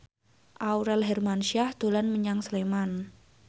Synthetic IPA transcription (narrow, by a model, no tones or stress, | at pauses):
ʔauɾɛlɦɛrmanʃiahd̪̥o̤lanməɲaŋsəleman